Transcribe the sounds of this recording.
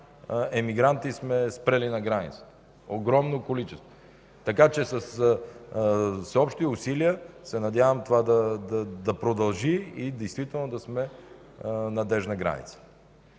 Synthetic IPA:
ɛmiɡɾant̪ismɛspɾɛlinɐɡɾanḭt̪sə̥t̪ə | oɡɾɔmnokolit͡ʃɛst̪vo | t̪ɐkat͡ʃɛsɐs | sɛɔpʃt̪iʊsiliəsɛnɐd̪ʲjavɐmt̪ovad̪ɐd̪ɐd̪ɐpɾod̪ɐlˠʒiid̪ɛjst̪vit̪ɛlˠnod̪ɐsmɛ | nɐd̪ɛʒnɐɡɾa̰nḭt̪sə̥

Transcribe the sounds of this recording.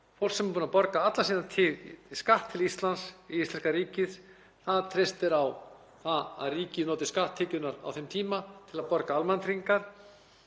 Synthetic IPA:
fowlsɛmpuːnapɔɾkaat̪lasiːðant̪ʰɪskaht̪ʰːɪlist̪lansiist̪lɛskaɾiːcɪð | θaðt̪ʰɾest̪ɪɾaw | θaða̰ðriːcɪnɔːt̪ɪ̥skaht̪ʰːɪːcʏnaɾa̰wθɛmt̪ʰiːmat̪ʰɪlaðpɔɾkaalmɛnt̪ʰɾiŋkaɾ̥

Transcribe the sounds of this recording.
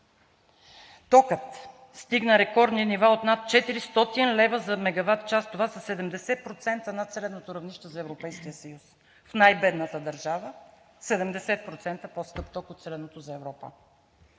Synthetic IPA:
t̪ɔkət̪ | st̪iɡnəɾɛkɔɾd̪ninivaot̪nat̪̚t͡ʃɛt̪iɾist̪ɔt̪inlɛvəzɐmɛɡɐvat̪t͡ʃast̪ovasɐsɛd̪ɛmd̪ɛsɛt̪̚pɾot̪sɛnt̪ənɐt̪sɛlɛnot̪oɾɐvniʃt̪ɛzɐɛvɾopɛjskijəsɐjus | fnajbɛd̪nət̪əd̪ɐɾʒavə | sɛd̪ɛmd̪ɛsɛt̪̚pɾot̪sɛnt̪əposkɤpt̪ɔkot̪sɛlɛnot̪ozɐɛvɾɔpə̰

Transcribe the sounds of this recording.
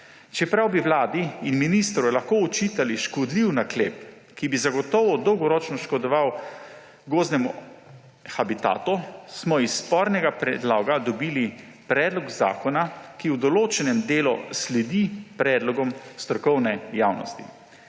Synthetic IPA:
t͡ʃɛpɾawbiwlaːd̪iinminist̪ɾɔjlaxkoɔt͡ʃiːt̪aliʃkɔd̪liwnakleːp | kibizaɡɔt̪ɔʋɔd̪ɔwɡɔɾɔt͡ʃnɔʃkɔd̪ɔʋaw | ɡoːznɛmɔ | xabit̪a̰ːt̪usmɔisːpɔɾnɛɡapɾɛ̰d̪laːɡad̪ɔbiːli | pɾɛːd̪lɔɡza̰ːkɔnakiwd̪ɔloːt͡ʃɛnɛmd̪eːlɔslɛd̪ipɾɛːd̪lɔɡɔmst̪ɾɔkɔwnɛjawnɔ̰st̪ḭ

